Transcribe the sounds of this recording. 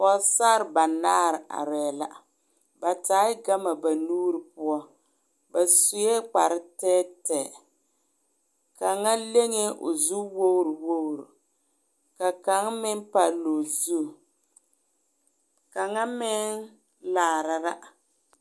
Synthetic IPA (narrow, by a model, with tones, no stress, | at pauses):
pɔ˨˦saː˦ɾɪ˨ba˨naː˦ɾɪ˨ʔa̰˨ɾɛː˨la̰˦ | ba˨taː˨˦ɪ˦ɡa˦ma˨ba˨nuː˦ɾɪ˨p̚ʊ˦ɔ˦ | ba˨su˨˦jɛ˦k͡pa˨ɾɪ˦tɛː˦tɛ˨ | ka˨ŋa˦le˦ŋe˦ʔʊ˨zu˦wo˦wɾu˨wo˦wɾṵ˨ | ka˨ka˨˦ŋmɪ˦npa˦˨lo˨zu˦˨ | ka˨ŋa˦mɪ˦n | laː˨ɾa˨ɾa˦